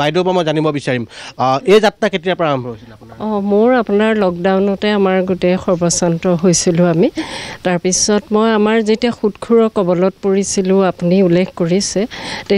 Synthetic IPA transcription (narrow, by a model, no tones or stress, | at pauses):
bajdɔpamɔjzanibɔbisaɹimejzatːaketijapɹaambʱɔs | ɔ̃moɹapunaɹlɔk̚dawnɔtɛamaɹɡutɛxɔɹbɔsantɔɦojsilʊ̃amitaɹpisɔtmɔjamaɹzetiaxutkʰuɹɔkɔbɔlɔt̚puɹisilʊ̃apuniulːekʰkoɹisɛte